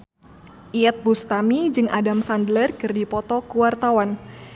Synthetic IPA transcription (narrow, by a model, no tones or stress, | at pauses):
ʔiɛt̪̚bust̪amid͡ʒɨŋadamsandlərkɨrdipɔt̪ɔkuwart̪awan